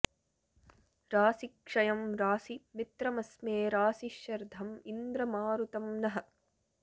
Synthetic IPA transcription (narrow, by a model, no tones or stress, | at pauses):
ɾaːsikʂɐjɐmɾaːsimit̪ɾɐmɐsmeːɾaːsiʃjɐɾd̪ʱɐmind̪ɾɐmaːɾut̪ɐmnɐɦɐ̆